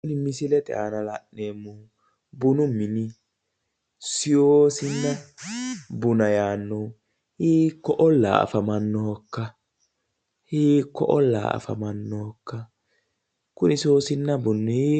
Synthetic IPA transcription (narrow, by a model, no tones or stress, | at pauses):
kʊnɪmɪsɪlɛt̪ʼɛ̰a̰ːnɐlɐʔneːmːʊ | bʊnʊmːɪnɪ | sɪjoːsɪnːɐ | bʊnɐjaːnːɔ | hiːkːɔʔɔlːa̰ːɐ̰fɐmɐnːɔkːɐ | hiːkːɔʔɔlːa̰ɐ̰fɐmɐnːɔkːɐ | kʊnɪsɪjoːsɪnːɐbʊnːɔhi